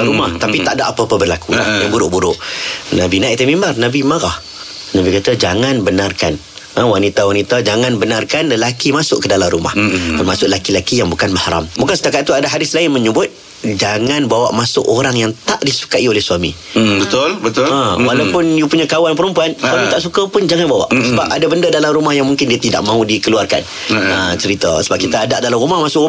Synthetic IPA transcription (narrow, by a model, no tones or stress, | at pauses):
aɾumaht̪apit̪aʔdaʔapapabərlakula̰jabuɾʊʔbuɾʊʔnabinaɪʔt̪əmĩmbarnabimaɣah | nabikat̪ad͡ʒaŋãnbənarkan | əwanit̪awanit̪ad͡ʒaŋãnbənarkanləlakimasʊʔkədalamɾuma̰hpərmasʊʔlakilakijaŋbukanbəhaɾa̰mbukansət̪akat̪̚t̪ːuadaɦadɪslaɪnmə̃ɲəbʊt̪̚ | d͡ʒaŋanbawa̰ʔmasʊʔoɾaŋjaŋt̪aʔdisu̥kaiolɛhsuamḭ̃ | bət̪ʊlbət̪əwalawpʊnjupuɲakawanpəɾəmpuanswamĩt̪aʔsukapʊnd͡ʒaŋanbawa̰ʔsəbapa̰dabəndadalamrumahjaŋmuŋkɪndiat̪ida̰ʔmãɦũdikəluarka̰n | ət͡ʃəɾit̪a̰səbap̚kit̪aːdaʔdalamɾumahmasʊkʔru